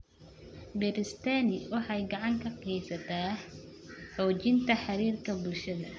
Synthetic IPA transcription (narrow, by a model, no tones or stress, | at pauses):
bɛɾɪst̪ʰaːnɪwɑħɑjɡɑʕɑŋkʰɐqijsɐt̪ʰaː | ħɔːt͡ʃɪnt̪ʰɐħɑɾiːrkʰɐbʊlʃɐðɐ